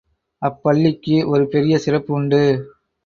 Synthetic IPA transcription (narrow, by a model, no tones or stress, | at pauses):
ɐpːɐɭːɪkːɯʔɔɾɯpɛɾɪjɐsɪrɐpːʊɳɖɯ